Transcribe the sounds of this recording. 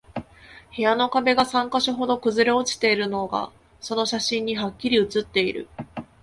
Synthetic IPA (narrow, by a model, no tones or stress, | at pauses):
he̞jano̞kabe̞ɡasãŋkaɕiɦo̞d̪o̞kɯ̟zɨɾe̞ot͡ɕi̥t̪e̞iɾɯ̟no̞ɡa̰ | so̞no̞ɕaɕĩɲ̟ːiɦakʲːiɾʲiɯ̟t͡sɨt̪ːe̞iɾɯ̰